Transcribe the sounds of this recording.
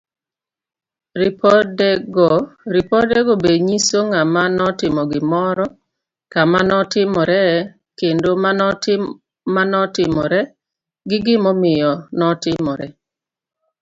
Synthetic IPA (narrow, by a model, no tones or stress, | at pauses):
ɾɪpʰɔdɛɡɔɾipɔdɛɡobeɲisoŋamanɔtɪmɔɡɪmɔɾɔ | kamanɔtɪmɔɾɛ | kendoman | manɔtɪmɔɾɛ | ɡɪɡɪmɔmɪjɔnɔtɪmɔɾɛ